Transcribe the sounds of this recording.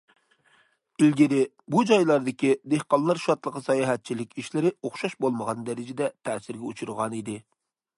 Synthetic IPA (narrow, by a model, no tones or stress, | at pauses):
ilɡʲɪd̪ɪ | bud͡ʒɑjlˠɑɾd̪ɨkʲid̪ehqɑlˠnɨɾʃɑt̪lˠəqɑsɑjɑɦɛt̪̚t͡ʃʰilɪkʲiʃlɪɾɪoχʃɑʃbolˠməʁɑnd̪ɛɾɪd͡ʒɪd̪ɛt̪ʰɛːsɪɾɡʲɛut͡ʃʰuɾʁɑnid̪ɪ